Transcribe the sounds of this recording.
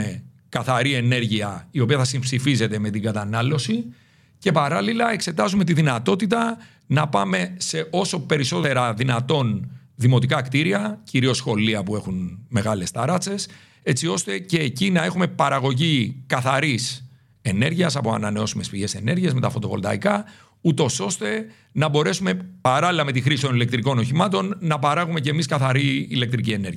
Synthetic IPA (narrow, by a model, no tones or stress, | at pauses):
e | kɐθɐɾie̞ne̞ɾʝiɐio̞piɐθɐsimpsifize̞t̪e̞me̞t̪iɡɐt̪ɐnɐlo̞si | ce̞pɐɾɐlilɐe̞kse̞t̪ɐzume̞t̪iðinɐt̪o̞t̪it̪ɐ | nɐpɐme̞se̞ʔo̞so̞pe̞ɾiso̞t̪e̞ɾɐðinɐt̪o̞n | ðimo̞t̪ikɐkt̪iɾiɐciɾio̞sxo̞liɐpue̞xunme̞ɣɐle̞st̪ɐɾɐt͡se̞s | e̞t͡sio̞st̪e̞ce̞ːcinɐe̞xume̞pɐɾɐɣo̞ʝikɐθɐɾis | e̞ne̞ɾʝiɐsɐpo̞ɐ̰nɐne̞o̞sume̞spiʝe̞se̞ne̞ɾʝiezme̞t̪ɐfo̞t̪o̞po̞̰lt̪ɐ̰ikɐ | ut̪o̞so̞st̪e̞ | nɐbo̞ɾe̞sume̞pɐɾɐlilɐme̞t̪ixɾisi̥t̪o̞nile̞k̚t̪ɾiko̞no̞çimɐt̪o̞nːɐpɐɾɐɣume̞cemiskɐθɐɾiːle̞k̚t̪ɾicie̞ne̞ɾʝiɐ